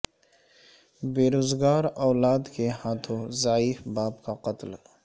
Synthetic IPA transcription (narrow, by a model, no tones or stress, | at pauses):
beːɾoːzɡaːɾɔːlaːd̪kehãːt̪ʰõzaːiːfbaːbkaqɐt̪l